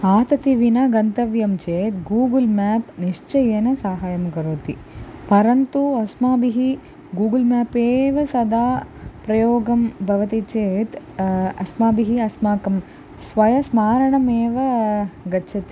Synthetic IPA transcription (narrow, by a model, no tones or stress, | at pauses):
aːt̪ɐt̪iʋinɐɡɐnt̪ɐʋjɐmt͡ʃeːt̪ɡuːɡɐlmaːpniʂt͡ʃɐjeːnɐsaːɦaːjɐmɡɐɾoːt̪ipɐɾɐnt̪uɐsmaːbiɦi | ɡuːɡilmaːpeːʋɐsɐd̪ʱaːpɾɐjoːɡɐmbʱɐʋɐt̪it͡ʃeːt̪ | ɐsmaːbiɦiɐsmaːkɐm | sʋɐjɐsmaːɾɐɳɐmeːʋɐɡɐt͡ʃʰɐt̪i̥